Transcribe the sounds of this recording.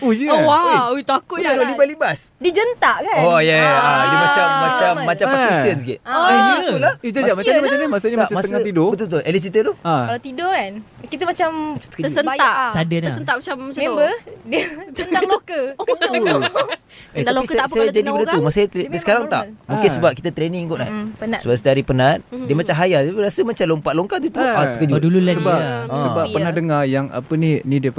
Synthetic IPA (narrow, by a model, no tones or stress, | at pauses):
ojəowaet̪akʊadawalibaslibasdiəd͡ʒənt̪aʔkaojɛad̪umat͡ʃamːat͡ʃamːat͡ʃammpakisənskḭʔaulahud͡ʒamad͡ʒamaamɲəmat͡ʃamɲəmasuɲəamat̪əŋat̪idɔt̪ut̪uʔɛlis̬it̪ət̪uaalat̪idɔkankit̪əmat͡ʃamt͡ʃat̪əkt̪əsənaj̪aʔsadənsənt̪aʔmat͡ʃammaamebədəənalokəkəɲ | edaloiskəasajad͡ʒaikənaumasajat̪sə̥kaɾaŋt̪a̰ʔmũŋkɪnsəbap̚kit̪ət̪ɾeniŋkɔʔnapənasəbapsi̥t̪aɾipənat̪̚dəmat͡ʃamɦajat̪apiɾasəmat͡ʃalompaʔloŋkat̪ut̪uat̪əkəd͡ʒudululaəbaãsəbapənadəŋajaŋa̰pəninĩdə